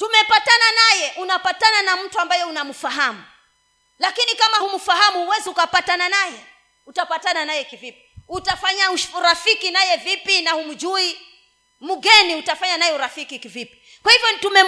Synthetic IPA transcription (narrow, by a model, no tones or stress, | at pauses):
tumɛpatananajɛʔunapatananam̩tuambajɔunamufaɦamu | lakinikamahumufaɦamuhuwɛziukapatananajɛ | utapatananajɛkivipi̥utafaɲauʃuɾafikinajɛvipinahum̩d͡ʒui | muɡɛniutafaɲanajɛuɾafikikivipi̥ | kwahivjɔtumɛ